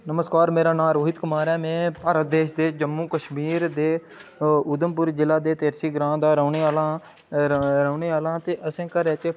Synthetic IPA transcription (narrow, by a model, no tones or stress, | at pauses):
nəməskaːɾmeːɾaːnãːɾoːɦɪt̪kʊmaːɾɛːmɛ̃ːpəɾəd̪eːʃd̪eːd͡ʒəmːũːkəʃmiːɾd̪eː | ʊd̪əmpʊɾd͡ʒɪlaːd̪eːt̪eːɾsiːɡɾãːd̪aːɾəːneːalaː | ɾəːneːaːlãːt̪eːʔəsẽːkəɾeːt͡ʃeː